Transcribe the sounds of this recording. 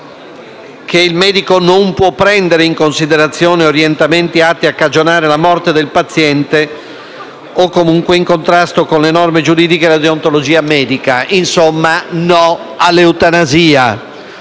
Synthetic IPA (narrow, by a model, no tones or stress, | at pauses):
keilmɛːd̪ikonompwɔpːɾɛnd̪eɾeiŋkonsid̪eɾat̪sːjɔːneoɾjɛnt̪ament̪iat̪ːiakːad͡ʒonaːɾelamɔrt̪ed̪elpat̪sːjɛnt̪e | okːomuŋkweiŋkont̪ɾast̪okonlenɔrmed͡ʒuɾiːd̪ikelad̪eont̪olod͡ʒiːamɛːd̪ikainsomːanɔ | alːeut̪anaziːa